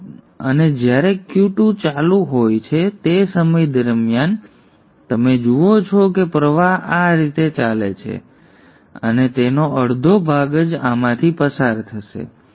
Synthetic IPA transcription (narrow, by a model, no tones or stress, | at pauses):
ə̰ned͡ʒjaɾekjuʈũt͡ʃalũɦojt͡ʃʰet̪esəməjd̪əɾmjan | t̪əmed͡ʒuot͡ʃʰɔkepɾəʋaɦaɾit̪et͡ʃalḛt͡ʃʰḛ | ə̰net̪enoʔəɽd̪ʱobʱaɡəd͡ʒamãt̪ʰipəsaɾt̪ʰəʃḛ